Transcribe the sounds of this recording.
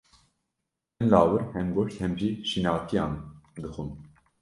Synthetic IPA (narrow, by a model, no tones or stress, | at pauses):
ɛnlɑːwɨɾhɛmɡoʃt̪hɛmʒiʃinɑːt̪ʰijɑːnd̪ɨxun